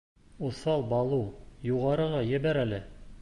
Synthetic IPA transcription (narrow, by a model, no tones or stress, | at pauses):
uθɑlˠbɑlˠujuʁɑɾɤ̆ʁɑjɘ̆bæɾælɘ